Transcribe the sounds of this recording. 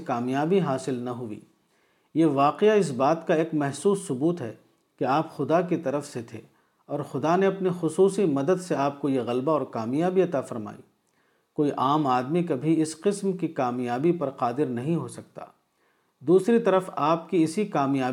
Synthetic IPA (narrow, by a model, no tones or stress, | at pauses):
kaːmjaːbiɦaːsɪlnɐɦʊḭː | jeʋaːqeaɪs̬baːt̪kaeːkmɛɦsuːsːʊbuːt̪ɦɛ̰ː | keaːpxʊd̪akit̪ɐɾəfset̪ʰḛː | ɔːɾxʊd̪aneɐpnixʊsuːsimɐd̪əd̪seaːp̚kojeɣɐlbaɔːɾkaːmijaːbiɐt̪afɐɾma̰ːḭː | koːiʔaːmaːd̪mikabʱiɪsqɪsmkikaːmjaːbipɐɾqaːd̪ɪɾnɐɦĩɦosɐk̚t̪a̰ː | d̪uːsɾit̪ɐɾəfaːp̚kiɪsikaːmjaː